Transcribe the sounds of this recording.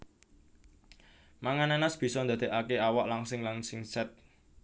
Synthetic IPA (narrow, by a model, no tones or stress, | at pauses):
maŋananasb̥i̤sɔnd̪a̤d̪̥e̤ʔakeawaʔlaŋsɪŋlaŋsɪŋsɛt̪̚